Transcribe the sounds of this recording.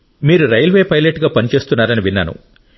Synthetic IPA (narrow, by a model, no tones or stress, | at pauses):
miːɾuɾɐjɐlʋe̞ːpɐjleʈɡaːpɐnit͡ʃe̞ːst̪unːaːɾɐniʋinːa̰ːnṵ